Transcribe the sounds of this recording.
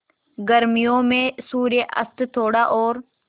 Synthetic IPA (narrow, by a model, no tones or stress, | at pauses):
ɡəɾmijõːmẽsuːɾjeʔə̰st̪t̪ʰoːɽaːʔoːɾ